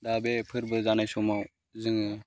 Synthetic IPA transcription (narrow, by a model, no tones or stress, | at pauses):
d̪abepʰɯɾbɯzanajsɔmaw | zɯŋ